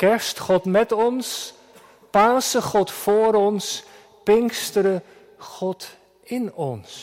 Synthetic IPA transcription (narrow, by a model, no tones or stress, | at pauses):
kɛɹstχɔtmɛtɔns | paːsəχɔtfoːɾɔns | pɪŋstəɾə | χɔt | ɪnɔns